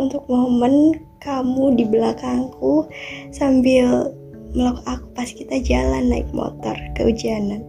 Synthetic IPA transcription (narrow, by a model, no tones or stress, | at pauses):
unt̪ʊk̚moɦomən | kamudibəlakaŋkusambɪl | məlakuaku̥pasi̥kit̪ad͡ʒalanːaɪ̰k̚mɔ̰t̪ɔ̰rkə̰ud͡ʒianan